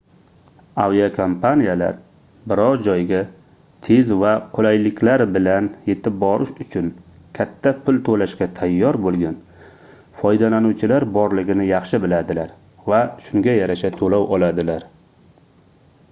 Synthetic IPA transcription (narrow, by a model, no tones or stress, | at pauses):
awiakʰompʰanijala̰ɾ | bɪɾɒɾd͡ʒɒjɡʲa | t̪ʰezvaqʰolajlɪkʲʰlaɾbɪlanje̞t̪ʰɪp̚bɒɾɪʃʊt͡ʃʰʊn | kʲʰat̪ʰːapʰʊlt̪ʰolaʃkʲat̪ʰajːɒɾbolˠɡʲan | fɒjd̪alanuwt͡ʃʰɪlaɾbɒɾlɪɡʲɪnɪjɑχʃɪbɪlad̪ɪlaɾ | vaʃʊŋɡʲajaɾaʃat̪ʰolawɒlˠad̪ɪlaɾ